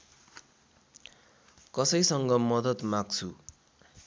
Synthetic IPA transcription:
kʌsʌjsʌŋɡʌmʌd̪ʌt̪maɡt͡sʰu

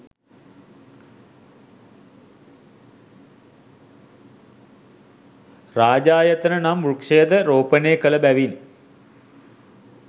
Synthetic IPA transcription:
raːd͡ʒaːjət̪ənənamrukʂejəd̪əɾoːpəneːkələbæʋin

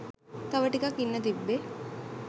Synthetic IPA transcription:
t̪ɐʋəʈikɐkːinːət̪ibːe

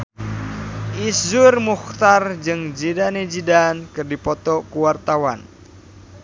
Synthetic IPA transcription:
ʔiszʊrmuxt̪ard͡ʒɨŋd͡ʒidaned͡ʒidankɨrdipɔt̪ɔkuwart̪awan

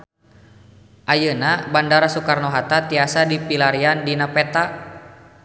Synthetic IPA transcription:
ʔajənabandaɾasukarnɔɦat̪at̪iasadipilaɾiandinapɛt̪a

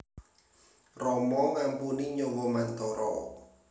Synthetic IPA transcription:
rɔmɔŋampuniɲɔwɔmant̪ɔɾɔ̰

